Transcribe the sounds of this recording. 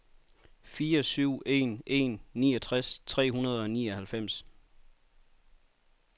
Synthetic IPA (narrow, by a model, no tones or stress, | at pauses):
fiːɒsyʊ̰e̝̰nʔe̝nːiːɒt͡sʰʁast͡sʰʁɛ̰ːɦunɐð̞ˠɒ̽nḭːɒhælfem̰s